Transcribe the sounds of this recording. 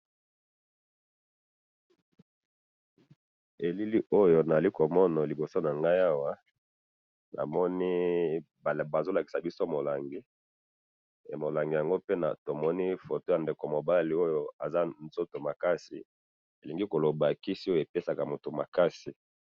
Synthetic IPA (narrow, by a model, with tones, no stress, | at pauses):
e˨li˦li˦ʔo˦jo˨na˨za˨li˦ko˨mɔ˦na˨li˨bo˨so˦na˨ŋɡa˦ja˦wa˦ | na̰˨mɔ˦ni˦˨ | ba˨zo˦la˨ki˨sa˨bi˦so˦mo˨la˨ŋɡi˦˨ | mo˨la˨ŋɡi˨ja˨ŋɡo˦pe˦na̰˨to˨mɔ˦ni˦fo˨to˦ja˨nde˨ko˨mo˨ba˦li˨o˦jo˦a˨za˦nzo˦to˨ma˨ka˦si˨ | e˨li˨ŋɡi˦ko˨lo˨ba˨ki˦si˦o˦jo˦e˨pe˦sa˨ka˨mo˨to˨ma̰˨ka˦si˨